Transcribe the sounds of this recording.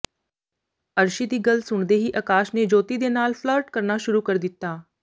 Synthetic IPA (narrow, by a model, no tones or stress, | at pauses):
əɾʃiːd̪iːɡəlsʊɳd̪eːɦiːʔəkaːʃneːd͡ʒoːt̪iːd̪eːnaːlpʰləɾʈkəɾnaːʃʊɾuːkəɾd̪ɪt̪ːaː